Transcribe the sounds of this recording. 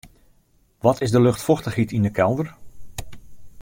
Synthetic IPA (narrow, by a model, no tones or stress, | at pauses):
ʋɔtɪzdəlɵxtfɔxtəχhitindəkʰɛlˠdər